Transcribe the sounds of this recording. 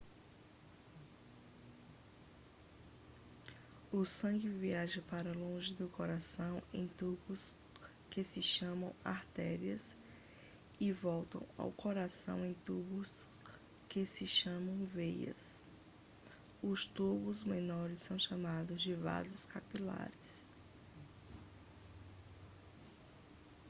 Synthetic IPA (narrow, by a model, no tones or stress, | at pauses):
ʊsɐ̃ɡɪviaʒɐpaɾɐlõʒɪd̪ʊkoɾasɐ̃w̃ẽj̃t̪ubʊs | kɪsɪʃɐ̃mɐ̃w̃a̰ɾt̪ɛɾiɐs | ɪvɔwt̪ɐ̰̃w̃a̰wkoɾasɐ̰̃w̃ẽj̃t̪ubʊs | kesɪʃɐ̃mɐ̃w̃vejɐ̰s | ʊst̪ubʊzmẽnɔɾɪsːɐ̃w̃ʃamad̪ʊzd͡ʒɪva̰zɪskapila̰ɾɪs